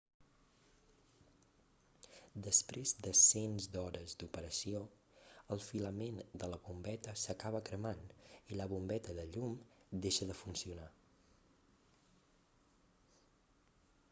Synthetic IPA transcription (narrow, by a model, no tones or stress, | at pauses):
d̪əspɾezd̪əsenzd̪ɔɾəzd̪upəɾəsio | əlˠfiləmend̪ələβumbɛt̪əsəkaβəkɾəmaniləβumbɛt̪əðəʎumd̪eʃəðəfunsiuna